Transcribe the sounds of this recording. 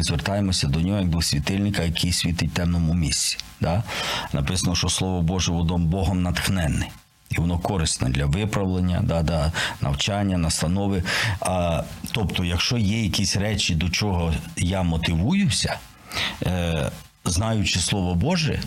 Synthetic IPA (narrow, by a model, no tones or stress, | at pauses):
mɪzʋert̪ɑjemɔsʲɐd̪ɔnʲɔɦɔjɐɡ̚b̪ʊsʲʋʲit̪ɪlʲnɪkɐjɐkijsʲʋʲit̪ɪtʲt̪ɛmnɔmumʲisʲt͡sʲi̥d̪̥anʔɐpɪsɐnɔʃɔslˠɔʋɔbɔʒɛʋɔd̪ɔmbɔɦɔmnɐt̪xnɛnːɛ | iʋɔnɔkɔɾɪst̪nɛ̰d̪lʲɐʋɪpɾɐʋlˠenʲːɐ̰d̪ad̪ɑnʔɐ̰wt͡ʃɑnʲːɐnɐst̪ɐnɔʋɪɐt̪ɔpt̪ɔjɐkʃt͡ʃɔjɛjɐkʲisʲɾɛt͡ʃid̪ɔt͡ʃɔɦɔjamɔt̪ɪʋujʊsʲɐ̥ | znɑjʊt͡ʃɪslˠɔʋɔbɔʒɛ̰